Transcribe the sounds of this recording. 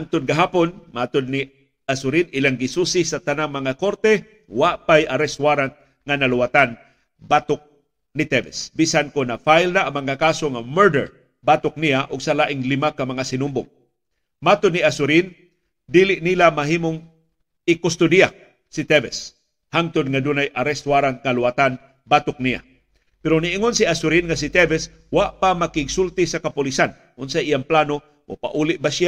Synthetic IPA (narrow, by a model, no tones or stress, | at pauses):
ʔant̪ʊd̪̚ɡɐɦaːponmat̪ʊd̪̚nɪ | asʊɾinʔɪlaŋɡɪsusɪsɐt̪ɐnaŋmɐŋakoɾt̪ɛ | waʔpajaɾɛswaɾat̪̚ | ŋanɐlʊwat̪an | bat̪ʊk̚ | nɪt̪ɛvɛsbisankonafajlnaʔɐŋmɐŋakaːsoŋamɛɹdɛ̰ɹ | baːt̪ʊk̚niaʔʊɡsalaʔɪŋlɪmakɐmɐŋasɪnʊmbʊ̰ŋ | mat̪ʊd̪niasʊɾin | d̪iːlɪʔnilamaɦiːmoŋ | ɪkʊst̪ʊd̪ijak̚ | sɪt̪ɛvɛs | haŋt̪ʊd̪̚ŋad̪unajʔaɾɛst̪waɾankalʊwat̪an | baːt̪ʊk̚nija̰ | pɛɾoniʔɪŋonsiasʊɾinŋasɪt̪ɛvɛs | waʔpamakɪɡsʊlt̪ɪsakapʊlisan | ʔʊnsaʔijaŋplano | ʔo̰pa̰ʔuːlɪʔ̚baʃja